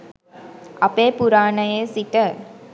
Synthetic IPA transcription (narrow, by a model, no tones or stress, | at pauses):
ɐpeːpuɾaːnəjeːsiʈə